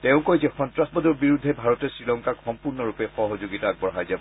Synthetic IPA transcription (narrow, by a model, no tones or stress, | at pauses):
tɛ̃ʊ̃kɔjzɛxɔntɹasbɔdɔɹbiɹudʱːɛbʱaɹɔtɛsɹilɔŋkakxɔmpuɹnɔɹupɛxɔɦɔzoɡitaːɡ̚bɔɹɦajzab